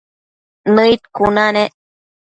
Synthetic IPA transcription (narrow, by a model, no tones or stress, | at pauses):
nɨit̪̚kunaneʔ